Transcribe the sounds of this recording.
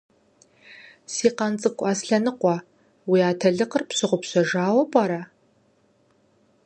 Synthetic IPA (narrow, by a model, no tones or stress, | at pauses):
siːqɑnt͡sʼɨkʷʼɑːsɬɐnɨqʷɔ | wiːaːtʰɐɮɨqərpɕɪʁʷʊpɕɐʒaːwɐpʼɑɾɐ